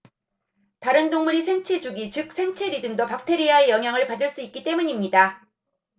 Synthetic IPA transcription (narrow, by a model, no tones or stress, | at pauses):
taɾɯndoŋmuɾisʰe̞ŋt͡ɕʰe̞d͡ʑuɡit͡ɕɯk̚s͈ʰe̞ŋt͡ɕʰeɾidɯŋdopak̚tʰe̞ɾiaejʌŋɦjaŋɯɭpadɯɭs͈uik̚k͈it͈e̞muɲimɲida